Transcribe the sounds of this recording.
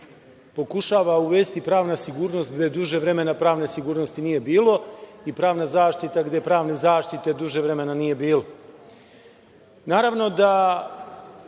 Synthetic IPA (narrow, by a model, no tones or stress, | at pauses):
po̞kuʃaːʋauʋe̞ːst̪ipɾaːʋnasiɡuːɾno̞st̪̚ɡd̪ed̪uʒeʋɾe̞me̞napɾaːʋne̞siɡuːɾnost̪inije̞biːlˠo̞ipɾaːʋnazaːʃt̪it̪aɡd̪e̞pɾaːʋnezaːʃt̪it̪e̞d̪uʒeʋɾe̞me̞nanije̞biːlo | naːɾaʋno̞d̪a